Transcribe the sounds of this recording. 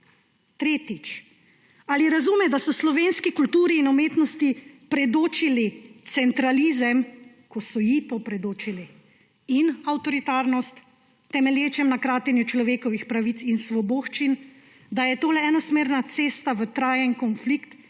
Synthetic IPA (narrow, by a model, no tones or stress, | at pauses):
t̪ɾeːt̪it͡ʃ | aːliɾazumɛd̪asɔslɔʋeːnskikult̪uːɾiːnumeːt̪nɔst̪ipɾɛd̪oːt͡ʃilit̪sɛnt̪ɾaliːzəm | kɔsɔjit̪opɾɛd̪oːt͡ʃili | inawt̪ɔɾit̪aːɾnɔst̪ː | ɛmɛljeːt͡ʃɛmnakɾaːt̪ɛnjut͡ʃlɔʋeːkɔʋixpɾaʋit̪sinsʋɔboːxt͡ʃin | d̪ajɛt̪oːlɛɛnɔsmeːɾnat̪seːst̪aʋət̪ɾaːjɛnkɔnflikt̪